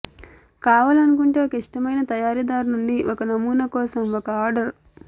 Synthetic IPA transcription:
kaːʋaːlɐnukuɳʈe̞ːokɐiʂʈɐmɐjnɐt̪ɐjaːɾid̪aːɾunuɳɖiʔɔkɐnɐmuːnɐkɔːsɐmɔkɐaːɾɖɐɾ

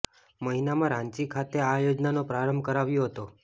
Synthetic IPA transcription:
məɦinamãɾãɲt͡ʃikʰat̪eajod͡ʒnanopɾaɾəmbʱkəɾaʋjoɦət̪o

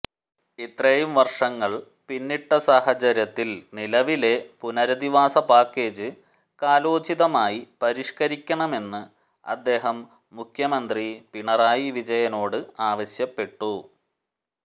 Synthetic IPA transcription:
it̪ːrɐjumʋɐrʂɐŋːɐɭ | pinːiʈːɐsaːhɐt͡ɕɐɾjɐt̪ːilnilɐʋile̞punɐɾɐd̪iʋaːsɐpaːkːe̞ːd͡ʑɨ | kaːloːt͡ɕiðɐmaːjipɐɾiʂkɐɾikʲːɐɳɐme̞nːɨ | ɐ̰d̪ːe̞ːɦɐmː | ukʰjɐmɐnd̪ripiɳɐraːjiʋid͡ʑɐjɐno̞ːɽɨaːʋɐɕjɐpːe̞ʈːu

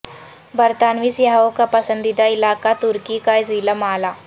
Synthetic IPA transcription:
bəɾt̪anʋiːsjaɦaokapəsənd̪id̪ailaːkat̪uɾkikajd͡ziləmala

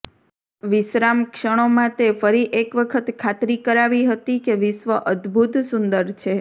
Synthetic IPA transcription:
ʋɪsɾamkʃəɽ̃omãt̪efəɾiʔekʋəkʰət̪kʰat̪ɾikəɾaʋiɦət̪ikeʋɪsʋəʔəd̪bʱut̪sund̪əɾt͡ʃʰe

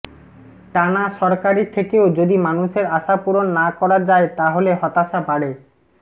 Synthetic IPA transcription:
ʈanaʃɔɾkaɾit̪ʰekeod͡ʑod̪imanuʃeɾaʃapuɾonːakɔɾad͡ʑaet̪aɦoleɦɔt̪aʃabʱaɽe

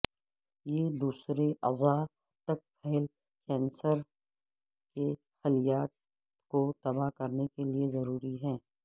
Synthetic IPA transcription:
jed̪uːsɾeʔɐza | t̪ɐk̚pʰɛɦl | kɛ̃ːnsəɾ | ke | xɐlijaːt̪̚ | kot̪ɐbakɐɾnekeliezɐɾuːɾiɦɛ̃ː

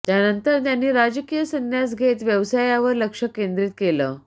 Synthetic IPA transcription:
t̪janənt̪əɾt̪janːiːɾad͡ʑəkijəsənːjasɡʱet̪ʋjəʋsajaʋəɾləkʂəkẽnd̪ɾiːt̪̚keləː

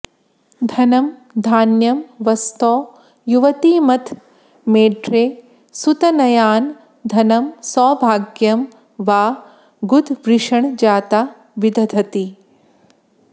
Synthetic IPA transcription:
d̪ʱɐnɐmd̪ʱaːnjɐmʋɐst̪ɔː | juʋɐt̪iːmɐt̪ʰ | meːɖɾeː | sut̪ɐnɐjaːn | d̪ʱɐnɐmsɔːbʱaːɡjɐm | ʋaː | ɡud̪ʱʋɾiʂɐɳd͡ʒaːt̪aː | ʋid̪ʱɐd̪ʱɐt̪i

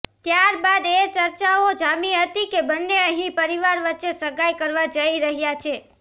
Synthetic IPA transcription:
t̪jaɾbad̪et͡ʃəɾt͡ʃaod͡ʒamiɦət̪ikebənːeəɦĩpəɾiʋaɾʋətːʃesəɡajkəɾʋad͡ʒəiɾəɦjat͡ʃʰe

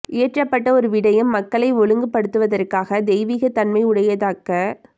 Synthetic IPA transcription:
ʔɪːʈrɐpːɐʈːɐɔɾɯʋɪɽɐjɯmːɐkːɐɭɐɪʋɔɻɯŋɡɯpːɐɽɯt̪ːɯʋɐðɐrkaːɣɐd̪ɛɪʋiːɣɐt̪ɐnmɐɪʊɽɐjɐðaːkːɐ

